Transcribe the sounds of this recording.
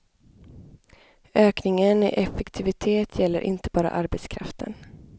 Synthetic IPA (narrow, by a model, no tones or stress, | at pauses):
øːknɪŋənɪ̰ʔɛfɛkt̪ʰɪvɪt̪ʰeːt̪ʰjɛlːəɾʔɪ̰nt̪əbɑːɾa̰ʔaɾbɛt̪skʰɾaft̪ən